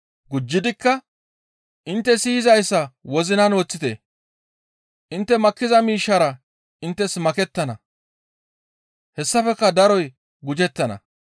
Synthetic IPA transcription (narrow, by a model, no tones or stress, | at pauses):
ɡʊd͡ʒːɪd̪ɪkːɐ | ʔɪnt̪ːɛsiːɪzɐjsːɐwɔzɪnɐnoːt͡sːɪt̪ḛ | ʔɪnt̪ːɛmɐkːɪzɐmiːʃːɐɾɐ | ɪnt̪ːɛsmɐkɛt̪ːɐnɐ̰ | hɛsːɐfɛkːɐd̪ɐɾɔj | ɡʊd͡ʒɛt̪ːɐnɐ̰